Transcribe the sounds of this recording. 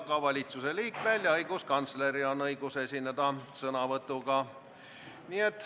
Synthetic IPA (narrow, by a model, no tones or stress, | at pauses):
ɡ̥ɑvɑlʲit̪suse̞liːkːˑvælʲjɑɑjɡ̥uskɑnt̪sleɾio̞nːɤjɡuse̞sinːed̪̥ɑsɤnɑvɤt̪ːˑuɡɑ | nie̞t̪ːˑ